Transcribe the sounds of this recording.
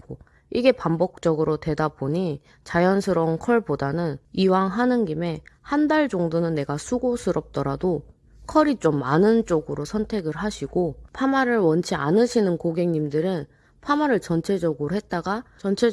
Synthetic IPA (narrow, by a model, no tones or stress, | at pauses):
o | iɡe̞pambʌk̚t͡ɕ͈ʌɡɯɾote̞daboɲi | t͡ɕajʌnsʰɯɾʌnkʰʌɭpodanɯniwaŋɦanɯnɡime̞handaɭd͡ʑʌŋdonɯnːe̞ɡasʰuɡosʰɯɾʌp̚t͈ʌɾado | kʰʌɾit͡ɕ͈omːanɯnt͡ɕ͈oɡɯɾosʰʌntʰe̞ɡɯɭɦaɕʰiɡopʰamaɾɯɭwʌnt͡ɕʰia̰nɯɕʰinɯnkoɡe̞ŋɲimdɯɾɯn | pʰamaɾɯɭt͡ɕʌnt͡ɕʰe̞d͡ʑʌɡɯɾoɦe̞t̚t͈aɡat͡ɕʌnt͡ɕʰe